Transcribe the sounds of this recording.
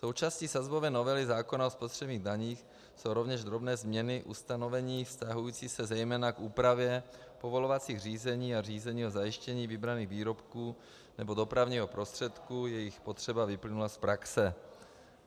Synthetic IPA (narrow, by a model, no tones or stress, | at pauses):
so̞wt͡ʃaːsciːsazbo̞vɛːno̞vɛlɪzaːko̞naospot̪r̝̥ɛbɲiːɣdaɲiːx | so̞wɾo̞vɲɛʒd̪ɾo̞bnɛːzmɲɛnɪʔṵst̪ano̞vɛɲiːfst̪aɦujiːt͡siːsɛzɛjmɛːnakʔuːpɾavjɛ | po̞vo̞lo̞vat͡siːɣr̝iːzɛɲiːar̝iːzɛɲiːozajɪʃcɛɲiːvɪbɾaniːɣviːɾo̞pkuː | nɛbo̞do̞pɾavɲiːɦo̞pɾo̞st̪r̥ɛt̪kujɛjɪxpo̞t̪r̝̥ɛbavɪplɪnulaspɾaksɛ